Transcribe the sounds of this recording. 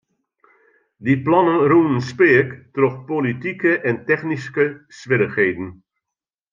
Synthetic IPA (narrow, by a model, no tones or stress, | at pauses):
diplɑnənruːnənspɪəktrɔχpolitikəʔɛntɛχniskəsʋɪɾəχɦejdən